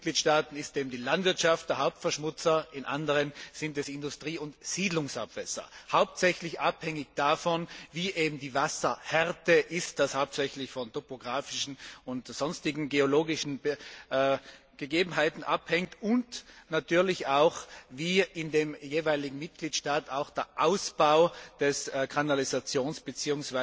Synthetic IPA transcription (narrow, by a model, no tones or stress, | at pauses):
ɡ̥liːtʃtaːtn̩ɪsteːbm̩diːlantv̥ɪɐtʃaft̚d̥ɛɐɦaʊp̚tfɛɐʃmʊt͡sɐɪnʔa̰ndəʁənz̥ɪntɛsɪndʊstʁ̥iːʊntz̥iːdlʊŋsa̰pv̥ɛsɐ̰haʊp̚tsɛçlɪçʔaphɛŋɪçd̥afɔnviːʔeːbm̩diːvasɐhɛʁtəʔɪstd̥ashaʊp̚sɛçlɪçfɔntopoɡʁaːfɪʃn̩ʊntz̥ɔnstɪɡŋ̩ɡeoloːɡɪʃn̩b | ɡ̥əɡeːbm̩ɦaɪtn̩ʔa̰phɛŋtʊntnatʰyːɐlɪçaʊxviːɪndeːmjeːvaɪlɪɡŋ̩mɪt̚ɡ̥liːtʃtaːtaʊxd̥eːɐʔaʊsb̥aʊd̥ɛskʰanalizat͡sjoːnsb̥ət͡siːʊŋsv̥a